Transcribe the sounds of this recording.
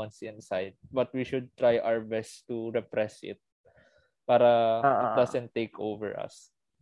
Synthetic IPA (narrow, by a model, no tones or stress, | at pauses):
ãnsɪ̃nsajd̪̚bɐt̪̚wiʃʊd̪̚t̪ɾajʔawɹbɛst̪uɹɛpɾɛsɪ̰t̪̚ | paːɾɐad̪asɛ̃nt̪ːejkʰʔo̰vɛ̰ɹɐ̰s